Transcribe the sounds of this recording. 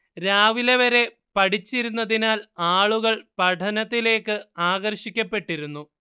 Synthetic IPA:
ɾaːʋileʋɐɾe̞ | pɐʈit͡ɕːiɾunːɐðinaːlaːɭuɣɐɭpɐʈʰɐnɐt̪ːile̞ːkːɨaːɣɐrɕikʲːɐpːe̞ʈːiɾunːu

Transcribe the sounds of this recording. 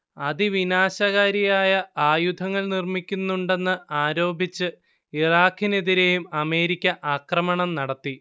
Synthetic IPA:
ɐðiʋinaːɕɐɣaːɾijaːjɐaːjud̪ʱɐŋːɐɭnirmikʲːunːuɳɖe̞nːɨaːɾo̞ːbʱit͡ɕːɨ | iraːkːineðiɾe̞jumɐme̞ːɾikʲːɐʔaːkrɐmɐɳɐmnɐɽɐt̪ːi

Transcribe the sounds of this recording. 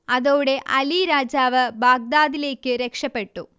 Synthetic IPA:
ɐðoːɽeʔɐliɾaːd͡ʑaːʋɐbaːɡ̚d̪aːðile̞ːkːɨɾekʂɐpːeʈːṵ

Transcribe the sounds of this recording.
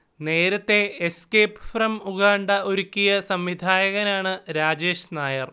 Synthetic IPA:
ne̞ːɾɐt̪ːe̞eskejpːɨfrɐmuɣaːɳɖɐʔoɾukʲːijɐsɐmʋid̪ʱaːjɐɣɐnaːɳɨɾaːd͡ʑe̞ːɕnaːjɐr

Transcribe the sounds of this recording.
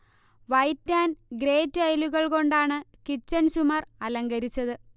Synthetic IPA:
ʋɐjtːaːnɡre̞ːtːuɐjluɣɐɭko̞ɳɖaːɳɨkit͡ɕːɐnsumɐrɐlɐŋɡɐɾit͡ɕːɐðɨ

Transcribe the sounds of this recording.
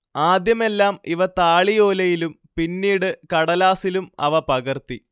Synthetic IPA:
aːd̪jɐme̞lːaːmiʋɐt̪aːɭijo̞ːlɐjilum | pinːiːɽɨkɐɽɐlaːsilumɐ̰ʋɐpɐɣɐrt̪i

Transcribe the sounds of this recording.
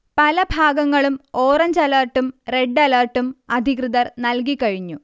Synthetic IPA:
pɐlɐbʱaːɡɐŋːɐɭumoːrɐɲd͡ʑɐlɐːrʈːumre̞ɖːɐlɐːrʈːumɐd̪ʱikrɨðɐrnɐlkikːɐɻiɲːu

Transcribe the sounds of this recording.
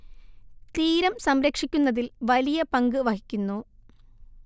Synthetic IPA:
t̪iːɾɐmsɐmɾɐkʂikʲːunːɐðilʋɐlijɐpɐŋɡɨʋɐhikʲːunːu

